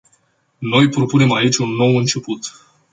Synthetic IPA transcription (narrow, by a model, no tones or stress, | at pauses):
no̞jpɾo̞pune̞mait͡ʃʲunːo̞wɨnt͡ʃe̞put̪